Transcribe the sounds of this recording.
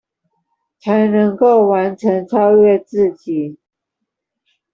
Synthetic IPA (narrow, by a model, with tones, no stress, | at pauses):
t͡sʰa˨˦ɪnɤ˧˥ŋko˥˩ʊwa˧˥nʈ͡ʂʰə˧˥ŋt͡sʰɑ˥ʊɥɛ˥˧t͡sɹ̩˥˩t͡ɕi˨˩˦